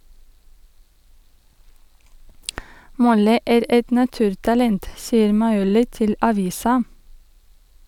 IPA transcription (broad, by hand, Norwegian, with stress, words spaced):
ˈmɔlɪ ˈæːɾ ˈɛt nɑˈtʉːɾtɑlɛnt ˈsiːəɾ mɑɪˈuːlɪ ˈtɪl ɑˈʋiːsɑ